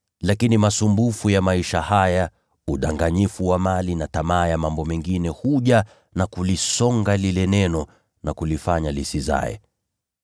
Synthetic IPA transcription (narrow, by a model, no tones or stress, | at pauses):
lakinimasumbufujamaiʃahaja | uɗaŋɡaɲifuwamalinatamaːjamambɔmɛŋɡinɛhuʄa | nakulisɔŋɡalilɛnɛnɔ | nakulifaɲalisiza̰ɛ̰